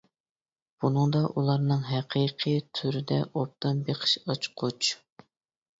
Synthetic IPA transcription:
b̥unɨŋd̪ɑʔulˠɑɾnɨŋɦæqʰiqʰɨjt̪ʰyɾɪd̪ɛʔop̚t̪ɑnbeqʰə̥ʃɑt͡ʃqʰot͡ʃ

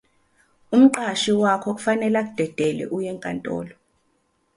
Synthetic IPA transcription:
um̩ǃaʃiwakʰɔk̬ʼu̥fanɛlak̬ud̥ʱɛd̥ʱɛlɛ̰ʔujɛŋkʼa̰ntʼɔ̰ːlɔ

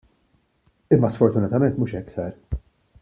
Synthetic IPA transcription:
ɪmːɐsfɔɾt̪ʊnɐt̪ɐmɛnt̪muːʃɛkːsɐɾ

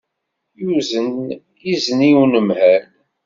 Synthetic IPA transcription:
juzənjizəniwnəmhæn

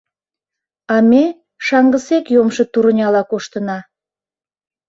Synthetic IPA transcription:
ɑme | ʃɑŋɡəsekjomʃə̽t̪uɾənʲɑlɑkoʃt̪ənɑ

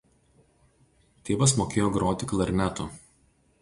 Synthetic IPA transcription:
t̪ʲeːʋɐsmoːkʲeːjoːɡɾoːt̪ʲɪklˠɐɾʲnʲæt̪u

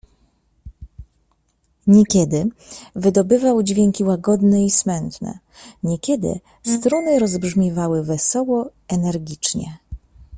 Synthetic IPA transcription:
ɲɛkʲɛd̪ɘvɘd̪ɔbɘvawd͡ʑvʲjɛŋkʲiwaɡɔd̪nɛismɛnt̪nɛ̰ | ɲɛkʲɛd̪ɘ̰ | st̪ɾunɘɾɔzbʐmʲɛvawɘvɛsɔwɔɛnɛɾɡʲit͡ʂɲɛ̰

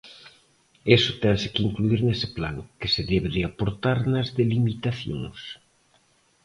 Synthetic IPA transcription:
esʊt̪ɛnsɪkiŋkluiɾnesɪplaŋkeseðeβeɾeapoɾt̪aɾnɐzðelimit̪aθjo̰ŋs

